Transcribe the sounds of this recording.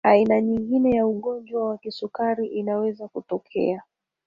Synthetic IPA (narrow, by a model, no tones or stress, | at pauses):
ainaɲiŋɡinɛjauɠɔnd͡ʒwawakisukaɾiʔinawɛzakutɔkʰɛ̰a